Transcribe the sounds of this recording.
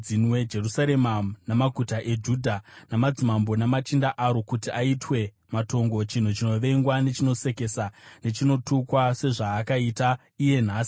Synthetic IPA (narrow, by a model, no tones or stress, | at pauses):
inwed͡ʒe̞rusaɾe̞manamaɡʱutaʔe̞d͡ʒuːdʱanamad͡zimambo̞namat͡ʃindaʔaɾo̞kutiaitwe̞ | mato̞ŋɡo̞t͡ʃin̤ut͡ʃino̞ʋe̞ŋɡwane̞t͡ʃino̞se̞ke̞sane̞t͡ʃino̞tukwase̞ʐaːkaita | ije̞n̤aːsi̥